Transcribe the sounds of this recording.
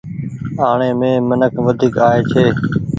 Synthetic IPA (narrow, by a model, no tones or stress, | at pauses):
aːɳeːmẽːmənəkʰʋəd̪ʱiːkaːɦeːt͡ʃʰeː